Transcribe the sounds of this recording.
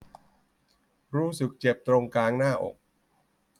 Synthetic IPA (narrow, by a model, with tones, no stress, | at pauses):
ɾuː˦˥sɯ˨˩k̚t͡ɕe˨˩p̚t̪ɾo˧ŋkaː˧ŋnaː˥˩ʔo̰˨˩k̚